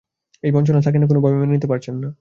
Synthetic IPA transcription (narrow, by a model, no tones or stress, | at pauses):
ejbɔnt͡ɕonaʃʰak̬ɛnekonobʱɔbemenenit̪epaɾt͡ɕʰenːa